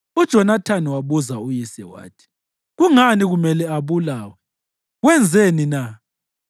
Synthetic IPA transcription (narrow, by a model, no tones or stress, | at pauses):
ud̥ʒ̥ʱɔnatʰaniwaβuzaujisɛ̰wa̰ːtʰi̥ | ɣuŋaniɣumɛlɛaβulaːwɛ | ɣwɛnd͡zʱenina